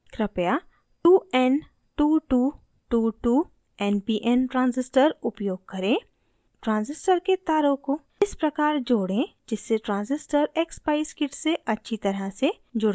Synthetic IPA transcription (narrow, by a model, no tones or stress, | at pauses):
kɾɪpja | ʈuːɛn | ʈuːʈuː | ʈuːʈuː | ɛːnpiːʔɛnʈɾãːnzɪsʈəɾʊpjoːɡ̚kɐɾẽː | ʈɾãːnzɪsʈəɾket̪aːɾõkoː | ɪspɾɐkaːɾd͡ʒoːɽẽd͡ʒɪsːeʈɾãːnzɪsʈəɾeːkspaɪskɪʈseʔɐtːʃʰit̪ɐɾəse | d͡ʒʊɽ